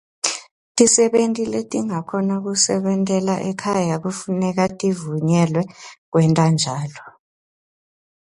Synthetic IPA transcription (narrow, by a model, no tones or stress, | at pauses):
tʼisɛɓentʼiletʼiŋakʰɔnak̬usɛɓɛntʼɛlaʔɛkʰajak̬ufunɛk̬atʼivuɲɛlwɛk̬wɛntʼand͡ʒʱaːlɔ